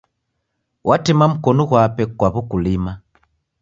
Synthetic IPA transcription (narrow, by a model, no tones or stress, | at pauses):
wʔatɛmam̩kɔnɔɣwapɛkwaβukulima